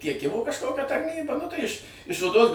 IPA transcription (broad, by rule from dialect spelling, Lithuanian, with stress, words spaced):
tʲiɛˈkʲɪmʊ kɐʃˈkoːkʲɛ tɐrʲˈnʲiːbɐ nʊ tɐɪ ɪʃ ɪʃ oːˈdoːs